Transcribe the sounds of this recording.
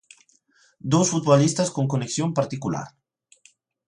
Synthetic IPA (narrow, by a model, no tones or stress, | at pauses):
d̪osfut̪̚βolist̪askoŋkoneksjompaɾt̪ikula̰ɾ